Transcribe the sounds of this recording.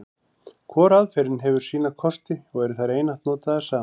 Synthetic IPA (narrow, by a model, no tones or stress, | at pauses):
kʰvɔːɾaðfɛɾɪnɦɛvʏɾ̥siːnakʰɔst̪ɪɔɣɛɾθaɾeːjnaht̪nɔːt̪aðḁsaː